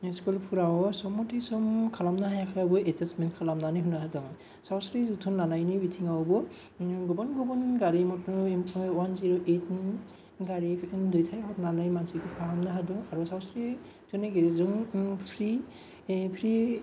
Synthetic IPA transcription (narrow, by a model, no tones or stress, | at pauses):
skulpʰuɾawɔsɔmɔtʰisɔmkʰalamnaɦajakʰaɾabɔɛzasmɛntkʰalamnaniɦunaɦadɔŋ | sawsɾizutʰɔnːanajnibitʰiŋawɔbɔ | ɡɔbɔnɡɔbɔnɡaɹimɔt | wanziɹɔʔet̚ | ɡaɹidɔjtʰajhɔtnanajmansikʰupʰaɦamnaɦadɔŋaɹusawsɾi | z̥ɔneɡeɾizɔŋpʰɹi | pʰɾi